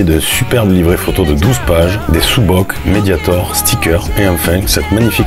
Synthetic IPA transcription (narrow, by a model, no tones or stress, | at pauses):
ed̪ỹsypɛʁblivʁefot̪od̪əd̪uzpaʒd̪esubɔkmed̪jat̪ɔʁst̪ʰikʲœʁeɑ̃fɛ̃sɛt̪maɲifik